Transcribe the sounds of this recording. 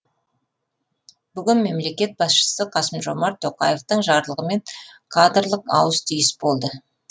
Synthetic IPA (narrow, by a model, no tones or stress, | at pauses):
b̥ʏɡʲɪnme̞mle̞kʲe̞t̪̚bɑsʃə̥səqʰɑsəmʒo̞mɑɾt̪ʰo̞qɑjeft̪əɴʒɑɾlˠəʁəme̞ŋkʰad̪rlˠəqɑ̰wəst̪ʰijɪsbo̞lˠd̪ə